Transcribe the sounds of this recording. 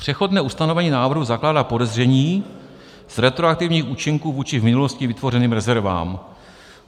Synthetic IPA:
pr̝̥ɛxo̞dnɛːʔust̪ano̞vɛɲiːnaːvr̩ɦuzaklaːdaːpo̞dɛzrɛɲiː | z̥ɾɛt̪ɾoak̚t̪ɪvɲiːxuːt͡ʃɪŋkuːvuːt͡ʃɪvmɪnulo̞scɪvɪt̪vo̞rɛniːmɾɛzɛɾva̰ːm

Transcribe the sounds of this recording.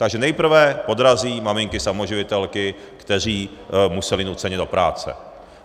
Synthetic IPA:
t̪aɡʒɛnɛjpr̩vɛpo̞d̪ɾaziːmamɪŋkɪsamo̞ʒɪvɪt̪ɛlkɪ | kt̪ɛr̝iːmusɛlɪnut͡sɛɲɛdo̞pɾa̰ːt͡sɛ̰

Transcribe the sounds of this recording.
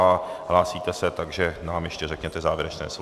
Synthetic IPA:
aɦlaːsiːt̪ɛsɛt̪aɡʒɛnaːmjɛʃcɛrɛkɲɛt̪ɛzaːvjɛɾɛt͡ʃnɛ̰ːs

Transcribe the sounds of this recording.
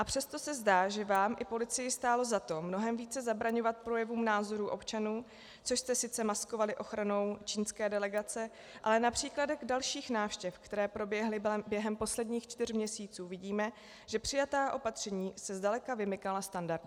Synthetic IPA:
ʔapr̥ɛst̪osɛzdaːʒɛvaːmʔɪpo̞lɪt͡sɪjɪst̪aːlo̞zat̪o̞mno̞ɦɛmviːt͡sɛzabɾaɲo̞vat̪̚pɾo̞jɛvuːmnaːzo̞ɾuːʔo̞̰pt͡ʃanuː | t͡soʃst̪ɛsɪt͡sɛmasko̞valɪʔo̞xɾano̞wt͡ʃiːnskɛːdɛlɛɡat͡sɛ | ʔa̰lɛnapr̝̥iːkladɛɣdalʃiːxnaːfʃcɛfkt̪ɛɾɛːpɾo̞bjɛɦlɪbbjɛɦɛmpo̞slɛdɲiːxt͡ʃt̪ɪr̝mɲɛsiːt͡suːvɪɟiːmɛ | ʒɛpr̥ɪjat̪aːʔo̞pat̪r̝̥ɛɲiːsɛzdalɛkavɪmɪkalast̪andaɾd

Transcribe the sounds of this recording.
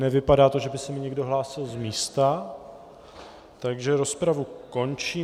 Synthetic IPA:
nɛvɪpadaːt̪o̞ʒɛbɪsɛmɪɲɛɡdo̞ɦlaːsɪlzmiːst̪a | t̪aɡʒɛɾo̞spɾavuko̞nt͡ʃiː

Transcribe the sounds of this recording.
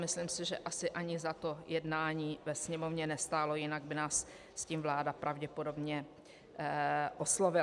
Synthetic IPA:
mɪslimsɪʒɛ̰ʔasɪʔaɲɪzat̪o̞jɛdnaːɲiːvɛsɲɛmo̞vɲɛnɛst̪aːlo̞jɪnaɡ̚bɪnaːsː | ciːmvlaːdapɾʔavɟɛpo̞do̞bɲɛ | ʔoslo̞vɪ

